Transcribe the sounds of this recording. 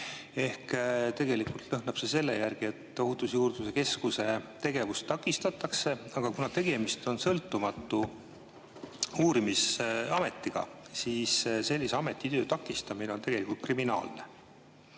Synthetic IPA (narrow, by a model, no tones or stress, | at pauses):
e̞hkt̪e̞ɡ̥e̞likult̪lɤɦnɑb̥se̞se̞lːe̞̰jærɡ̥ie̞t̪ːo̞ɦut̪usjuːrd̪use̞ke̞skuse̞t̪e̞ɡ̥e̞vust̪t̪ːɑkːˑist̪ɑt̪ːˑɑkse̞ɑɡ̥ɑkunɑt̪e̞ɡ̥e̞mist̪o̞nsɤlt̪ːˑumɑt̪ˑːu | uːɾimisɑme̞t̪ːˑiɡ̥ɑ̰siːsse̞lʲːiseɑme̞t̪ːˑit̪ø̞ːt̪ɑkːˑist̪ɑmine̞ot̪eɡelikːˑult̪kriminɑ̰ːlne̞